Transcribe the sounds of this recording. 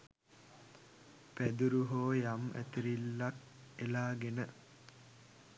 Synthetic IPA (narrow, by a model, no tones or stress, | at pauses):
pæd̪uɾuɦoːjamæ̰t̪iɾilːak | elaːɡenə